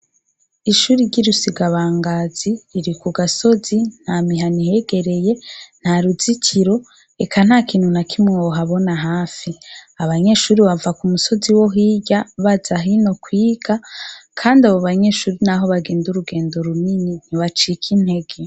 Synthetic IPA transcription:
iʃuːɾiɾɟiɾusiɡaβaːŋɡaːziːɾikuɡaso̞zin̥hamiɦanihe̞ɡe̞ɾe̞je̞n̥haɾuzicʰiɾo̞ | ekʰan̥hakiːn̥hunakʰimŋewoɦaβo̞naɦaːfiaβaɲe̞ʃuːɾiβavakumuso̞ziwo̞ɦiːɟaβaz̥aɦino̞kwiːɡ̥akʰaːndiaβoβaɲe̞ʃuːɾinaɦo̞βaɡe̞ːnduɾuɡe̞ːndo̞ɾuminin̥iβat͡ʃikʰin̥he̞ɡe

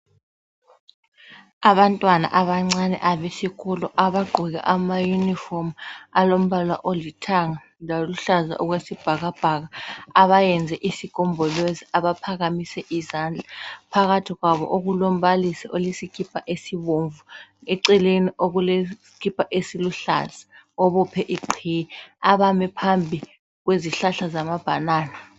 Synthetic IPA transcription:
aβantʼwana̰ʔaβaŋ͡ǀanɛ̰ʔaβesikʰɔlɔʔaβaɡ͡ǃʱɔɣa̰ʔamajunifomalom̩βalaʔolitʰaŋa | laluɬaza̰ʔuɣwesib̥ʱaɣab̥ʱaɣaaβajɛnd͡zʱɛʔisikɔmbʱɔlweziaβapʰaɣamisɛʔizand͡ɮʱapʰaɣatʰiɣwaβɔ̰ʔoɣulɔm̩βalisɛʔolisikʰipʰaʔesiβoɱvueǀɛleniʔoɣule | kʰipʰaʔesiluɬa̰za | ɔβɔpʰɛʔiǃʰijɛaβamɛpʰambʱi | ɣweziɬaɬazamab̥ʱanaːna

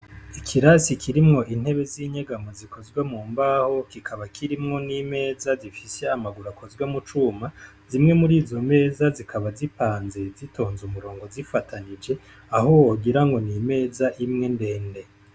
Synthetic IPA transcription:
ikʰiɾasikʰiɾimŋo̞ʔin̥he̞βe̞ziɲeɡamoziko̞zɡwemuːmbaho̞kikʰaβakʰiɾimŋo̞nime̞ːzazifise̞amaɡuɾako̞zɡwemut͡ʃuːma | zimŋe̞muɾiːzo̞me̞ːzazikʰaβazipaːnze̞zitʰo̞ːnzumuɾo̞ːŋɡo̞zifatʰanid͡ʒe̞ | aɦowoɡiɾaŋɡo̞nime̞ːzaʔimŋe̞nde̞ːnde̞

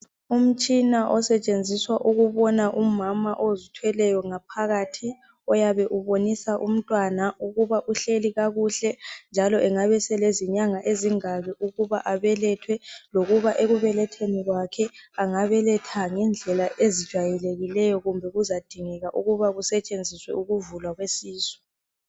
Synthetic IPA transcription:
um̩t͡ʃʼinaʔɔsɛt͡ʃʼend͡zʱiswaʔuɣuβɔnaʔumamaʔozitʰwɛlɛjɔŋapʰaɣatʰi | ɔjaβɛʔuβonisaʔum̩tʼwanauɣuβaʔuɬeliɣaɣuɬɛnd͡ʒʱalɔʔɛŋaβɛsɛleziɲaŋaʔeziŋaɣɛʔuɣuβaʔaβɛlɛtʰwɛloɣuβaʔeɣuβɛlɛtʰeniɣwakʰɛaŋaβɛlɛtʰaŋɛnd͡ɮʱɛlaʔezid̥ʒ̥ʱwajɛleɣilɛjɔɣumbʱɛɣuzad̥ʱiŋɛɣaʔuɣuβaɣusɛt͡ʃʼend͡zʱiswɛ̰uɣuvulwaɣwesiːsɔ̥

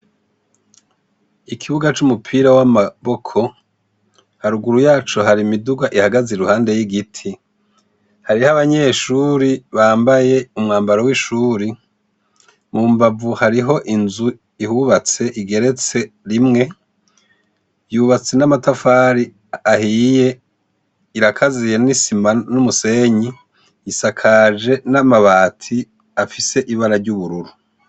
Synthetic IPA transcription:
ikʰiβuɡat͡ʃumupʰiːɾawamaβo̞kʰo̞ | haɾuɡuɾujaːt͡ʃoɦaɾimiduɡwaʔihaɡazeɾuhaːnde̞jiɡitʰi | haɾihaβaɲe̞ːʃuːɾiβaːmbaje̞umŋaːmbaɾowiʃuːɾi | mumbavuhaɾiɦo̞ʔinzu | ihuβat͡se̞ʔiɡe̞ɾe̞t͡se̞ | ɾimŋe̞ | juβat͡se̞namatafaːɾi | ahije̞ | iɾakʰazijenisimanumuse̞ɲi | isakʰaʒe̞namaβaːtʰi | afise̞ʔiβaɾaɾɟuβuɾuɾu

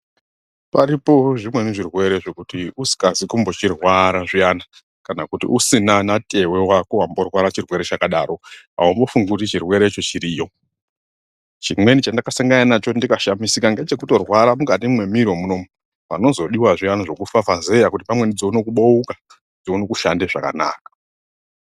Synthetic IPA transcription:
paɾipo̞ʐimwe̞neʐirwe̞ɾe̞ʐo̞kutiusi̥kazikumbo̞t͡ʃirwaɾaʐiana | kanakutḭʔusinanatʰe̞we̞wakuɦambo̞rwaɾat͡ʃirwe̞ɾe̞t͡ʃakaɗa̰ːɾo̞ | a̰umbo̞fuŋɡautit͡ʃirwe̞ɾe̞t͡ʃo̞t͡ʃiɾijo̞ | t͡ʃimwe̞nit͡ʃandakasaŋɡananat͡ʃo̞ndikaʃamisikaŋɡet͡ʃe̞kuto̞rwaɾamukatimwe̞miɾwomuno̞mu | pa̰no̞zo̞ɗiwaʐijanaʐo̞kufafaze̞jakutipamwe̞nid͡zounokuɓo̞uka | d͡zouno̞kuʃandeʐa̰ka̰na̰ːkḁ

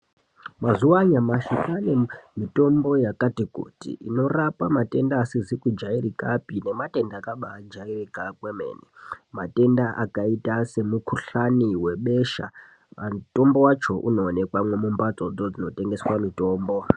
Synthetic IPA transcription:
mazuwaɲamaʃikanemito̞mbo̞jakatikṵtḭʔino̞rapamate̞ndaːsizikud͡ʒairikapine̞mate̞ndakaɓaːd͡ʒairikakweme̞̰ːnimate̞ndaʔakaitase̞mukʰuɬaniwe̞ɓe̞ʃa̰ | ato̞mbo̞wat͡ʃo̞ʔuno̞ːne̞kwamwe̞mumbat͡so̞d͡zo̞d͡zino̞te̞ŋɡe̞swamito̞ːmbo̞

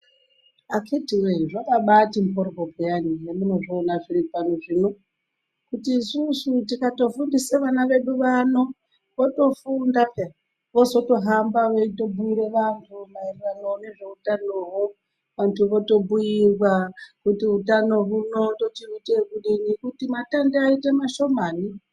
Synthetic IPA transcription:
akʰetiweʐakaɓatim̩porkobijanijemuno̞ʐoːnafilipanoʐino̞ | kutiːsusutikato̞fundiseʋanaʋe̞ɗuʋano̞ | ʋoto̞funda | ʋo̞zo̞to̞ɦambaʋoito̞buiɾe̞ʋantʰumairirano̞ne̞ʐe̞utanoɦo | ʋantʰuʋoto̞buiwakutiutano̞runo̞to̞tiutekuɗinikutimatandeaite̞maʃo̞maːni

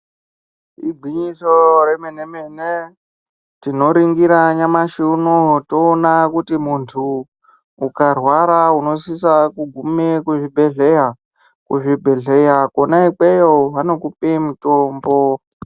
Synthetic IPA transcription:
iɡʱiɲiso̞remenemene | tino̞ɾiŋɡiɾaɲamaʃiunotoːnakutimuntʰuː | karwaɾauno̞sisakuɡʱumekuʐibʱe̞ɮe̞ja | kuʐibʱe̞ɮejakonaik͡pejoɦano̞kupemitoːmbo̞

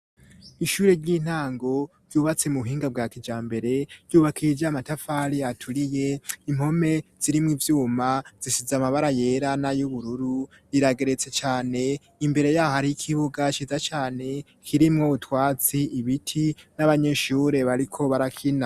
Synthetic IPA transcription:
iʃuːɾe̞ɾɟiːn̥haːŋɡo̞ɾɟuːβat͡semuuɦiːŋɡab̚ɡaːkid͡ʒaːmbe̞ɾe̞ɾɟuːβakʰijed͡ʒamatafaɾiatʰuɾije̞im̥ho̞me̞z̥iɾimŋivjuːmaz̥isizamaβaɾaje̞ːɾanajuβuɾuɾu | ɾiɾaɡe̞ɾe̞t͡se̞t͡ʃaːne̞ | imbe̞ɾe̞jaːhaɾiikʰiβuɡat͡ʃiːzat͡ʃaːne̞ | kʰiɾimŋo̞βutwaːt͡siiβitʰinaβaɲe̞ʃuːɾe̞βaɾikʰo̞βaɾakʰina

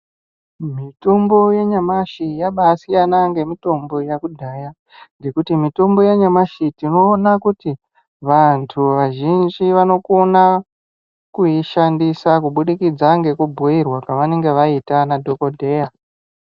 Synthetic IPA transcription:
mito̞mbo̞jeɲamaʃijaɓasijanaŋɡe̞mito̞mbo̞jakudʱaja | ŋɡe̞kutimito̞mbo̞jeɲamaʃitino̞ːnakuti | ʋantʰuʋaʒind͡ʒiʋano̞kona | kuiʃandisakuɓuɗikid͡zaŋɡe̞kubʱuirwakaʋane̞ŋɡe̞ʋaitanadʱo̞ko̞dʱe̞ja

